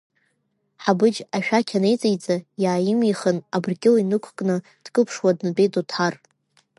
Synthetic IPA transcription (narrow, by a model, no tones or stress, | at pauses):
ħabɨd͡ʒaʃᶣakʲʰanejt͡sʼejt͡sʼajaːjɪmiχənabrɡʲɪlinɨkʷʰkʼnɨ | d̥ɡʼɨpʰʂwadnbejdʼotʰar